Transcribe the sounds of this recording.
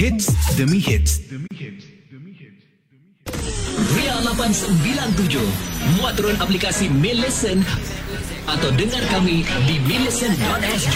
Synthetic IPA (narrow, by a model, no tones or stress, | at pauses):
itəmihit̪ | rialapansəmbilant̪ud͡ʒuhmuat̪ɾʊnaplikasimiləsən | ʔat̪awdəŋarkamidimiləsəndɔt̪̚ɛsd͡ʒ